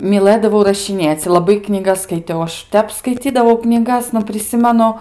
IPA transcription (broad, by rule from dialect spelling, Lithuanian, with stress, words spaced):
mʲiːˈlˠɘdɐʋɐʊ rɐʃʲɪˈnʲeːt͡sʲ lˠɐˈbɐɪ knʲiːˈɡɐs skɐɪˈtʲɛʊ ɐʃ ˈtʲɛp skɐɪˈt͡sʲiːdɐʋɐʊ knʲiːˈɡɐs nʊ pʲrʲɪˈsʲɪmʲɛnʊ